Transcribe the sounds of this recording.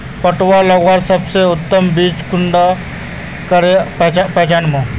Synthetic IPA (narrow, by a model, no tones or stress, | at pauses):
pəʈʋalɐɡwaɾsəbseʊt̪ːəmbiːt͡ʃkʊɳɖa | kəɾepɛɦt͡ʃaːnmõ